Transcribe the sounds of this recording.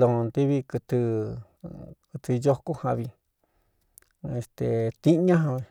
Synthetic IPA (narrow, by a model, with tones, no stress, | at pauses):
lo˨˧nt̪i˦βi˧kɨ˧t̪ɨ˧ | kɨ˧t̪ɨ˧jo˦ku˦hã˧βi˧ | e˧˨st̪e˨t̪i˦ɲã˦ɦã˧βi˧